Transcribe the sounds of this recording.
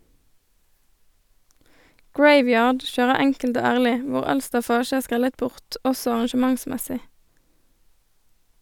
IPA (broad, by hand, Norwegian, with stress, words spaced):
ˈɡɹeɪˌʋjɑːɖ ˈʃøːʁə ˈɛŋkəlt ˈoː ˈæʁlɪ ˈʋʊʁ ˈɑl stɑˈfɑːʃ ˈæːʁ ˈskʁɛlət ˈbʊʁt ˈɔsɔ ɑʁɑnʃəˈmɑŋˌsmɛsɪ